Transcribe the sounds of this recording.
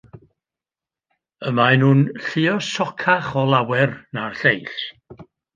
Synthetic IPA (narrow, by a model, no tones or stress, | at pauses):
əmaɛnhuːnɬɪɔsɔkʰaχɔlˠawɛrnarɬejɬ